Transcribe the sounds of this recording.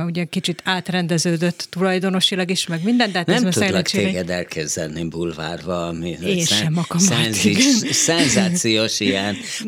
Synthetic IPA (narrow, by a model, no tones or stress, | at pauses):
uɟɛkit͡ʃit̪ʰaːt̪rɛnd̪ɛzøːd̪øt̪ːulɒjd̪o̞no̞ʃilɒɡiʃmɛɡmind̪ɛnd̪haːt̪nɛmt̪udɛlɛk̪eːɡɛd̪ɛlkɛzɛlnibulva̰ːrvɒmieːsʃɛmɒkɒmɛnisɛnzaːt̪sijoːʃijɛn